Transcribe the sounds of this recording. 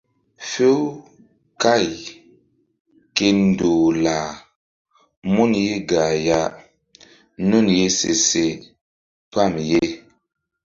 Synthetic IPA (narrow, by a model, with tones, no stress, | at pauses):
fe˦w | ka˦˨j | ke˦n˨do˨la˨ | mu˦nje˦ɡa˨ja˨ | nu˦˨nje˦sḛ˨se˨ | pa˦˨mje˦